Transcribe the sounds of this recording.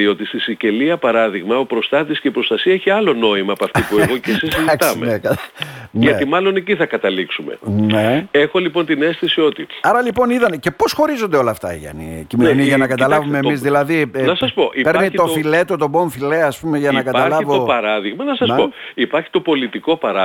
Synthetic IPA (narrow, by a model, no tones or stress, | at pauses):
io̞t̪ist̪isice̞liɐpɐɾɐðiɣmɐopɾo̞st̪ɐt̪isceipɾo̞st̪ɐsiɐeçiɐlo̞no̞imɐːpɐft̪ipueɣo̞cesisiziɐkt̪sɐmeekɐnʝɐt̪imɐlo̞neciθɐkɐt̪ɐliksume̞̰nee̞xo̞lipo̞nt̪ine̞st̪isio̞t̪iɐɾɐlipo̞niðɐnce̞po̞sxo̞ɾizond̪eo̞lɐːft̪ɐ̰ḭʝɐ̰nḭcimeoniʝɐnɐkɐt̪ɐlɐvumeːmmizðilɐðinɐsɐspoʔipe̞ɾnio̞file̞t̪o̞t̪o̞bo̞ɱfile̞ɐspumeʝɐnɐkɐt̪ɐlɐvoopɐɾɐðiɣmɐnɐsɐspo̞ipɐɾçi̥t̪o̞po̞lit̪iko̞pɐɾɐ